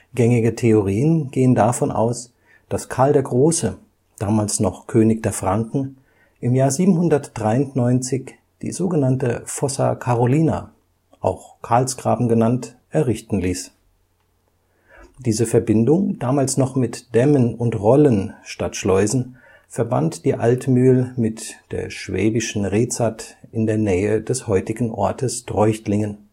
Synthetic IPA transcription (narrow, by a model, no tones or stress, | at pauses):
ɡ̥ɛŋɪɡətʰeoʁiːənɡ̥eːəndafɔnʔa̰ʊs | d̥askʰaɐldeːɐɡʁoːsə | d̥aːmaːlsnɔχkʰøːnɪçd̥eːɐfʁ̥aŋkŋ̩ | ʔɪmjaːɐziːbm̩hʊndɐtd̥ʁaɪʊntnɔʏnt͡sɪç | d̥ḭːzoːɡənantəfɔsɐ̰kʰaʁoliːna̰ | ʔa̰ʊxkʰaɐlsɡ̥ʁa̰ːbm̩ɡənant | ʔɛɐʁɪçtn̩liːs | d̥iːzəfɛɐbɪndʊŋd̥aːmaːlsnɔχmɪtd̥ɛmənʊntʁɔlənʃtatʃlɔʏzn̩ | fɛɐba̰ntd̥iːʔa̰ltmyːlmɪtd̥ḛːɐʃv̥ɛ̰ːbɪʃn̩ʁeːt͡satɪndeːɐnɛːədɛshɔʏtɪɡŋ̩ʔɔ̰ɐtəsd̥ʁɔʏçtlɪŋən